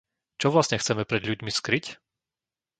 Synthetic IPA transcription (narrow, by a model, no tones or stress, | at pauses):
t͡ʃɔʋlasɲɛxt͡sɛmɛpɾɛd̪lʎuɟmiskɾic